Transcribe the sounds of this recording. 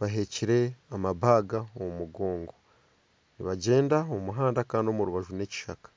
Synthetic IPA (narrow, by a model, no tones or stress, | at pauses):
βaɦe̞ciɾe̞amaβaːɡaomumuɡo̞ːŋɡo̞ | niβaɟe̞ːndaomuɦaːndakaːndio̞muɾuβaʒune̞ci̥ʃakḁ